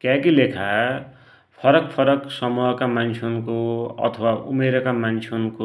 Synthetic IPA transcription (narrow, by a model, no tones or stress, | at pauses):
kjakilekʰa | pʰʌɾʌkpʰʌɾʌksʌmuɦʌkamant͡sʰonkoʌ̰t̪ʰʌwaṵmeɾʌkamant͡sʰenuko